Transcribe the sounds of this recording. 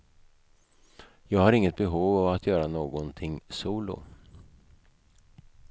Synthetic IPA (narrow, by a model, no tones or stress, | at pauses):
jɑːɡhaɾɪŋːət̪̚bɛɦuːvavat̪ʰjœːɾanoːɡɔnt̪ʰɪŋsuːlʊ̰